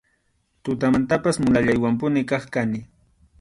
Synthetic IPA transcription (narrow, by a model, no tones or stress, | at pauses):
t̪ʊt̪̬amant̪apasmʊlaʎajwampʊnɪkɑχkanɪ